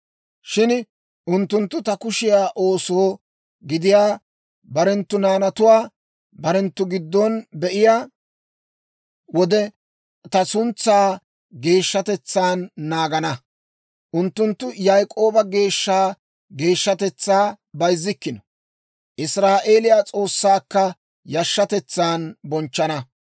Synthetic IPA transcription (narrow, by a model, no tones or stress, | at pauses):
ʃɪn | ʔʊnt̪ːʊnt̪ːʊt̪ɐkʊʃɪjaːʔo̞ːso | ɡɪd̪ɪjaː | bɐɾɛnt̪ːʊnaːnɐt̪ʊwaː | bɐɾɛnt̪ːʊɡɪd̪ːɔnbɛʔɪjaː | wɔd̪ɛ | t̪ɐsʊnt͡sːaː | ɡe̞ːʃːɐt̪ɛt͡sːaːnːaːɡɐnɐ | ʔʊnt̪ːʊnt̪ːʊjɐjkʼo̞ːbɐɡe̞ːʃːaː | ɡe̞ːʃːɐt̪ɛt͡sːaː | bɐjzːɪkːɪnɔ̥ | ʔɪsɾaːʔe̞ːlɪjaːt͡sʼo̞ːsːaːkːɐ | jɐʃːɐt̪ɛt͡sːaːnbɔnt͡ʃːɐnɐ